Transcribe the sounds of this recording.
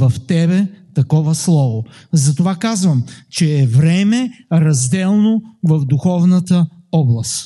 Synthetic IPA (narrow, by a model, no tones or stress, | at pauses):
vɐft̪ɛbɛt̪ɐkɔvəslˠɔvo | zɐt̪ovakazvəmt͡ʃɛːvɾɛmɛɾɐzd̪ɛlˠnovɐvd̪uxɔvnət̪əɔblˠɐst̪